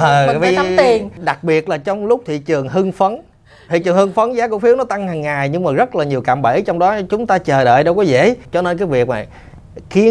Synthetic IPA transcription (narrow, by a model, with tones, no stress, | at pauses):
ʔəː˨˩vi˧˦t̪i˨˩əɗa˨˩k̚ɓi˨˩ət̚laː˨˩t͡ɕɔ˧wŋ͡mlʊ˦˥k͡p̚t̪ʰḭ˨t͡ɕɨ˨˩əŋɦɨ˧ŋfə˨˦n | t̪ʰḭ˧˨˩t͡ɕɨ˨˩əŋhɨ˧ŋfə˨˦nzaː˨˦˥kṵ˧˥əfi˨˦əwnɔ˨˦t̪a˧ŋhaː˨˩ŋːaː˨˩jɲɨ˧ŋmaː˨˩zə˦˥t̚laː˨˩ɲi˨˩əwkaː˧˨mɓe˧˩t͡ɕɔ˧wŋ͡mɗɔ˨˦t͡ɕʊ˨˦ŋ͡mt̪aː˧t͡ɕəː˨˩ɗə̰ː˧˨jɗə˧wkɔ˨˦zḛ˧˥t͡ɕɔ˧ne˧nkaː˨˦jvi˨˩ək̚ma̰˨˩j | xi˨˦ə